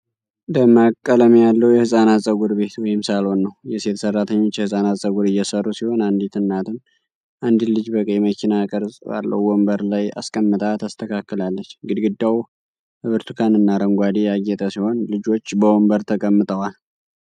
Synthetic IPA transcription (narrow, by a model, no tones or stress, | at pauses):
d̪əmakʼːələmjalːəwujɛhɨsʼanasʼəɡuɾbe̞t̪wɔjɪmsalo̞nːəwjɛse̞t̪ʰsərːat̪ʰəɲːo̞t͡ʃːjɛhɨsʼanasʼəɡuɾɨjːɛsərːusiho̞nand̪it̪ʰɨnːat̪ʰɨn | ʔand̪ilɨd͡ʒbəkʼːəjɛməkʰinakʼəɾzʼba̰lːə̰wwɔmbəɾlaja̰skʼəmːɨt̪ʼat̪ʰast̪ʰəkʰakːɨlalːət͡ʃːɡɨd̪ɡɨd̪ːaw | hɨβɨɾt̪ʰɨkʰanɨnːaɾəŋɡʷad̪ijaɡːɛt̪ʼəsiho̞nlɨd͡ʒo̞t͡ʃːbəwɔmbəɾt̪ʰəkʼəmːɨt̪ʼəwal